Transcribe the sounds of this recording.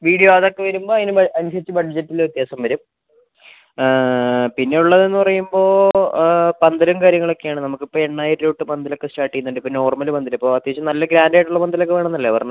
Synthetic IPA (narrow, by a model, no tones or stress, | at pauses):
ʋiːɽijoɐðo̞kːe̞ʋɐɾumbo̞ːɐðinɨɐnuɕɐt͡ɕːɨbɐɖd͡ʑɐtːilut̪jaːsɐmʋɐɾum | pinːe̞uɭːɐðe̞nːɨpɐrɐjumbo̞ː | pɐnd̪ɐɾɐmkaːɾjɐŋːɐɭo̞kːe̞jaːɳɨnɐmukːipːoːeɳːaːjiɾɾoːʈːɨpɐnd̪ɐlo̞kːesʈaːʈːijːunːuɳɖɨpːono̞ːrmɐlubɐnd̪ɐlɐipːo̞ːɐt̪jɐɦɐt͡ɕːɨnɐlːɐɡɾaːndeʈːuɭːɐpɐnd̪ɐlokːeʋe̞ːɳɐnːɐlːeʋɐrɐn